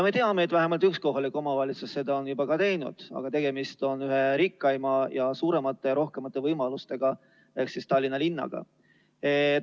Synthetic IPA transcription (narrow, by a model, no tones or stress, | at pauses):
met̪eɑmeːt̪ːvæɦemɑlt̪yksko̞ɦɑlikːˑo̞mɑvɑlʲit̪susse̞d̪ɑonjubɑkɑt̪e̞jnṵd̪̥ɑ̰ɡ̥ɑt̪e̞ɡ̥e̞mist̪o̞nyɦe̞ɾikːɑjmɑjɑsuːɾe̞mɑt̪ːˑe̞jɑɾo̞hke̞mɑt̪ːˑe̞vɤjmɑlust̪e̞ɡ̥ɑ | e̞ksist̪ɑlːinɑlinːɑ̰ɡ̥ɑ̰ | e